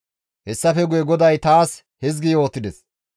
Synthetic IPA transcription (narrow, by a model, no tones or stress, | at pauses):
hɛsːɐfɛɡʊjɛɡɔd̪ɐjt̪aːs | hɛzɡɪjo̞ːt̪ːɪd̪ɛs